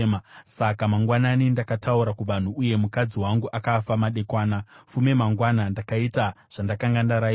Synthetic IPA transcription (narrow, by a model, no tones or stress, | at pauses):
asakamaŋɡwananindakatauɾakuʋan̤uːje̞mukad͡ziwaŋɡuʔakafamaɗe̞kwaːnafume̞maŋɡwanandakaita | ʐ̥andakaŋɡandaɾai